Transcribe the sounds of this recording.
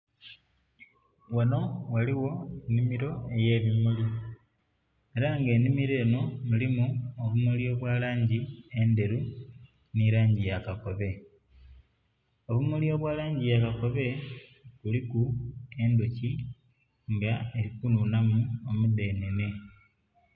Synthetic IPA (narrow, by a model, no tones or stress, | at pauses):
wono̞waliwo̞enimiɾo̞e̞je̞ːβimuli | e̞ɾaŋɡe̞ːnimiɾe̞ːno̞mulimuoβumulio̞ːβwaːlaːɲɟie̞nde̞ɾu | niɾaːɲɟijakako̞βe̞ | o̞βumulio̞ːβwaːlaːɲɟijakako̞βe̞kulikue̞ndoci | ŋɡaeɾikununamuomude̞ːnene̞